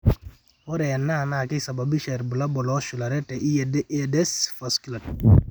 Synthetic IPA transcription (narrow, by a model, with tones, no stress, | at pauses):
ɔ˦ɾɛ˨a˨nːa˦˨na˨kɪ˦sa˨ba˨bi˦ʃɛ˨ɾbʊ˨la˦bɔ˨lɔ˦ʃʊ˨la˨ɾɛ˦tɛ˨ʔi˦dedɛ˦sfaskla˨t̚